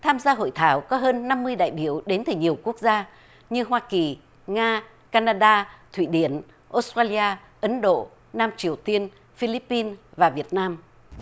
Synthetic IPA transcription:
t̪ʰaː˧mzaː˧ɦo̰˧˨jt̪ʰaː˧˩wkɔ˨˦ɦəː˧nːa˧mːɨ˧əjɗa̰ː˧˨jɓi˧˩əwɗe˨˦nt̪ɨ˨˩ɲi˨˩əwku˦˥ək̚zaː˧ | ɲɨ˧ɦwaː˧ki˨˩ | ŋaː˧ | kaː˧naː˧ɗaː˧t̪ʰwḭ˧˩ɗi˨˧˩ən | ʔo˦˥st̪aː˧li˧aː˧ | ʔə˨˦nɗo̰˧˨ | naː˧mt͡ɕi˨˩əwt̪i˧ən | fi˧li˦˥pːi˧nvaː˨˩vi˨˩ət̚naː˧m

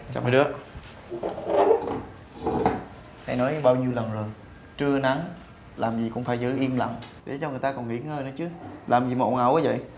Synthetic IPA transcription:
t͡ɕa̰˧˩ma˨˦ɗɨ˨˦ə | ha˧jnɔ˨˦jɓaː˧wɲi˧əwlə˨˩nzo˨˩j | t͡ɕɨ˧əna˨˦ŋ | laː˨˩mzi˨˩kʊ̰˧˥ŋ͡mfaː˧˩jzɨ˨˦jʔi˧mla̰˧˨ŋɗe˨˦t͡ɕɔ˧ŋ˨˩ət̪aː˧kɔ˨˩nŋi˧˩˦ə˦ŋəː˧jnɨ˨˦t͡ɕɨ˨˦lʔaː˨˩mzi˨˩mo̰˧˨ŋa˨˩wʔaː˨˦və̰˧˨j

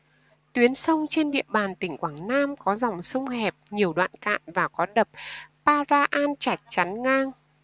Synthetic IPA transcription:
t̪wi˨˦ənsə˧wŋ͡mt͡ɕe˧nɗḭ˧˨əɓaː˨˩nt̪ï˧˩ŋ̟kwaː˧˩ŋnaː˧mkɔ˨˦zɔ˨˩wŋ͡msə˧wŋ͡mhɛ˨˩p̚ɲi˨˩əwɗwa̰ː˧˨nka̰ː˧˨nvaː˨˩kɔ˨˦ɗə˨˩p̚paː˧zaː˧ʔaː˧nt͡ɕa˧˩jk̚t͡ɕa˨˦nŋaː˧ŋ

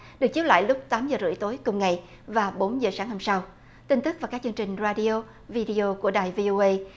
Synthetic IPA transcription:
ɗɨ˨˩ək̚t͡ɕi˦˥la̰ː˧˨jlʊ˦˥k͡p̚t̪aː˨˦mzəː˨˩zɨ̰˧˩əjt̪o˨˦jkʊ˨˩ŋ͡mŋa˨˩j | vaː˨˩ɓo˨˦nzəː˨˩saː˨˦ŋha˧msa˧w | t̪i˧ŋ̟t̪ɨ˦˥k̚vaː˨˩kaː˦˥k̚t͡ɕɨ˧əŋt͡ɕï˨˩ŋ̟zaː˧ɗi˧o˧ | vi˧ɗi˧ʔo˧ku˧˩əɗaː˨˩jvi˧ʔo˧ʔə˧

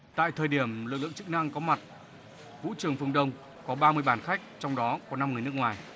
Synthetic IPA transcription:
t̪a̰ː˧˨jt̪ʰəː˨˩jɗi˧˩əmlɨ˨˩k̚lɨ̰˧˨ŋt͡ɕɨ˦˥k̚na˧ŋkɔ˨˦ma˨˩t̚ | vṵ˧˥t͡ɕɨ˨˩əŋfɨ˧əŋɗə˧wŋ͡m | kɔ˨˦ɓaː˧mɨ˧əjɓaː˨˩nxa˦˥jk̚t͡ɕɔ˧wŋ͡mɗɔ˨˦kɔ˨˦na˧mŋɨ˨˩əjn˦˥əkŋwaː˨˩j

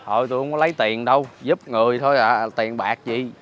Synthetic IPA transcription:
hɔ˨˩jt̪u˧˩hə˧ŋ͡mkɔ˨˦lə˨˦jt̪i˨˩ənɗə˧wzu˦˥p̚ŋɨ˨˩əjt̪ʰo˧jlaː˨˩t̪i˨˩ənɓaː˨˩k̚zi˨˩

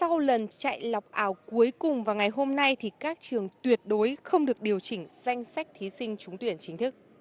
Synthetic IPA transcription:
sa˧wlə˨˩nt͡ɕa̰ː˧˨jla˨˩wk͡p̚ʔaː˨˦wku˨˦əjkʊ˨˩ŋ͡mvaː˨˩ŋa˨˩jɦo˧mna˧jt̪ʰi˨˩kaː˦˥k̚t͡ɕɨ˨˩əŋt̪wi˨˩ət̚ɗo˨˦jxə˧wŋ͡mɗɨ˨˩ək̚ɗi˨˩əwt͡ɕï˧˩ŋ̟z̥a˧jŋ̟sa˦˥k̟̚t̪ʰi˨˦sï˧ŋ̟t͡ɕʊ˨˦ŋ͡mt̪wi˧˩ənt͡ɕï˨˦ŋ̟t̪ʰɨ˦˥k̚

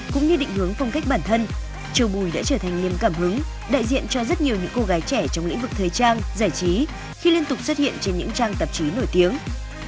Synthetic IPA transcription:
kʊ̰˧˥ŋ͡mɲɨ˧ɗḭ̈˧˨ŋhɨ˨˦əŋfɔ˧wŋ͡mka˦˥k̟̚ɓaː˧˩nt̪ʰə˧n | t͡ɕi˨˩əwɓu˨˧˩jɗa̰ː˧˥t͡ɕəː˧˩t̪ʰa˨˩ŋli˨˩əmkaː˧˩mhɨ˨˦ŋ | ɗa̰ː˧˨jzḭ˧˨ənt͡ɕɔ˧zə˦˥t̚ɲi˨˩əwɲɨ̰˧˥ŋko˧ɣaː˨˦jt͡ɕɛ˧˩t͡ɕɔ˧wŋ͡mlḭ˧˥ŋ̟vɨ˨˩k̚t̪ʰəː˨˩jt͡ɕaː˧nzaː˧˩jt͡ɕi˨˦ | xi˧li˧ənt̪ʊ˨˩k͡p̚swə˦˥t̚hḭ˧˨ənt͡ɕe˧nɲɨ̰˧˥ŋt͡ɕaː˧ŋt̪ə˨˩p̚t͡ɕi˨˦no˧˩jt̪i˨˦əŋ

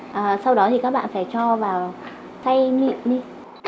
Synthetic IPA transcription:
ʔəː˨˩sa˧wɗɔ˨˦t̪i˨˩kaː˦˥k̚ɓa̰ː˧˨faː˧˩jt͡ɕɔ˧vaː˨˩w | t̪ʰa˧jmḭ˧˨mɗi˧

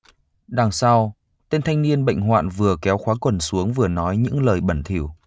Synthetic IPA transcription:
ɗaː˨˩ŋsa˧w | t̪e˧nt̪ʰa˧jŋ̟ni˧ənɓə̰˧˨ŋ̟ɦwa̰ː˧˨nvɨ˨˩əkɛ˨˦wxwaː˨˦kwə˨˩nsu˨˦əŋvɨ˨˩ənɔ˨˦jɲɨ̰˧˥ŋləː˨˩jɓə˧˩nt̪ʰi˧˩əw

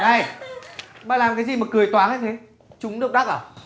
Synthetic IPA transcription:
na˧˩j | ɓaː˨˩laː˨˩mkaː˨˦jzi˨˩maː˨˩kɨ˨˩əjt̪waː˨˦nha˦jt̪ʰe˨˦ | t͡ɕʊ˨˦ŋ͡mɗɨ˦˥k͡p̚ɗa˦˥k̚ʔəː˧˩

